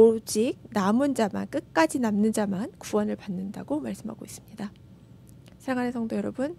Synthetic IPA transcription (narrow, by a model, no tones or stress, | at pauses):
od͡ʑik̚namɯnd͡ʑama̰nk͈ɯk͈ad͡ʑinamnɯnd͡ʑamankuwʌnɯɭpanːɯnda̰ɡomaɭs͈ɯmɦa̰ɡois͈ɯmɲida | sʰeŋanesʰʌŋdojʌɾʌbɯn